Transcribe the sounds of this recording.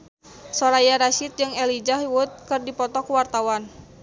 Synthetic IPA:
sɔɾajaɾaʃit̪̚d͡ʒɨŋɛlid͡ʒaɦiwʊt̪̚kɨrdipɔt̪ɔkuwart̪awan

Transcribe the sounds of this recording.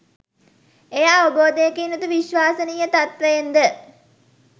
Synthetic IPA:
ejaːʋəboːd̪ejəkiːnut̪uʋiʃʋaːsənijət̪at̪ʋəjend̪ə

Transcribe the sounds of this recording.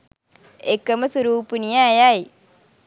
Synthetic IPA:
ekːɐmɐsuɾuːpunijaːjaj

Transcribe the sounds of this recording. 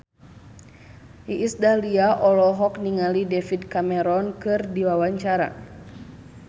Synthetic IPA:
iʔːsdaliaʔɔlɔɦɔk̚niŋalidɛfidkamɛɾɔnkɨrdiwawaɲt͡ʃaɾa̰

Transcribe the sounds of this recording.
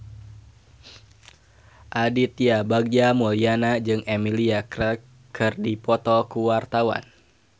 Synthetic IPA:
ʔadit̪iabaɡ̚d͡ʒamulianad͡ʒɨŋemiliak | kʰɨrdipɔt̪ɔkuwart̪awa̰n

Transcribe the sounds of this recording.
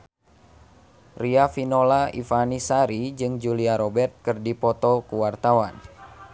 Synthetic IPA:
riafinɔlaḭfanisaɾid͡ʒɨŋd͡ʒuliaɾɔbɛrt̪̚kɨrdipɔt̪ɔkuwart̪awan

